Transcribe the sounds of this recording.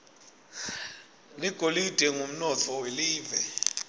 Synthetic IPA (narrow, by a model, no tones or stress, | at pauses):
liɡ̥ʱolid̥ʱɛŋum̩nɔt͡fʰɔweliːvɛ